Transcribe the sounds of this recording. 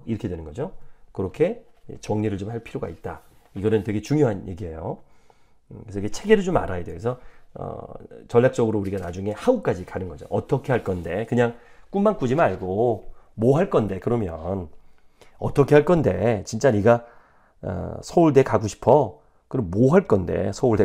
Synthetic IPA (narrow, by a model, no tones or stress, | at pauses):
iɾʌkʰe̞dwe̞nɯnɡʌd͡ʑokɯɾʌkʰe̞t͡ɕʌŋɲiɾɯɭt͡ɕomɦaɭpʰiɾoɡa̰it̚t͈a̰iɡʌnɯntwe̞ɡe̞t͡ɕuŋjoɦanje̞ɡiɦe̞jo | kesʰiɡet͡ɕʰeɡe̞ɾɯt͡ɕoma̰ɾajedwekesʰʌʌ̰t͡ɕʌʎːak̚t͡ɕ͈ʌɡɯɾouɾiɡanad͡ʑuŋe̞hauk͈ad͡ʑikanɯnɡʌd͡ʑo̰ʔʌt͈ʌkʰe̞ɦaɭk͈ʌnde̞kɯɲaŋk͈unmank͈ud͡ʑimɯnaɭɡomoɦaɭk͈ʌnde̞kɯɾʌmjʌn | ʌt͈ʌkʰe̞ɦaɭk͈ʌnde̞t͡ɕint͡ɕ͈aniɡa̰ | sʰʌuɭdekaɡoɕʰi̥pʰʌ | kɯɾʌmmoɦaɭk͈ʌnde̞̰sʰʌuɭde